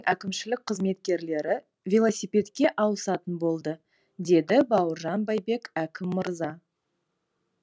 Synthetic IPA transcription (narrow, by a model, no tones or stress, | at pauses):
ŋʔækʲɪmʃɪlɪk̚qʰəzme̞t̪̚kʲe̞ɾle̞ɾɪ | vʲelˠosijpʲe̞t̪kʲe̞ʔɑwəsɑt̪ənbo̞lˠd̪ə | d̪e̞d̪ɪbɑwəɾʒɑnbɑjbe̞kækʲɪmːəɾzɑ